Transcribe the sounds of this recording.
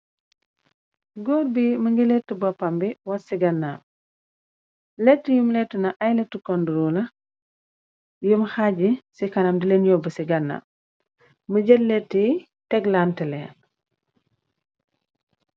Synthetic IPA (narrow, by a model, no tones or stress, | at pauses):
ɡɔːrbiməŋɡilɛtːəbɔpːɐmbiwɐtsiɡɐnːa̰ | lɛtːəjumlɛtːunɐʔɐjlɛtːukɔnduɾulɐ | jumxaɟisikɐnɐmdilenjɔbəsiɡɐnːa̰ | məɟɛtlɛtːi | tɛɡlaːntəlɛ̰ːn